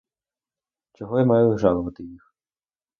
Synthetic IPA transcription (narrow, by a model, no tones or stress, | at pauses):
t͡ʃɔɦɔjamɑjʊʒɑlˠɔʋɐt̪ɪjix